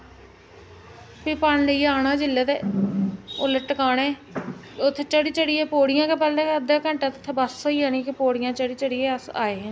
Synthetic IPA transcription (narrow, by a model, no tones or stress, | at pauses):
piːpaɳləieaːnaːd͡ʒɪlːeːt̪eː | ʊləʈəkaːneː | ʊt̪ʰːeːt͡ʃəɽiːt͡ʃəɽiːeːpoːɽɪjãːkepəlẽːəd̪eːkə̃ɳʈãːt̪ʊt̪ʰːeːbəssoːiːãːnĩkɪpoːɽɪjãːt͡ʃəɽiːt͡ʃəɽiːeːəsa̰ːeː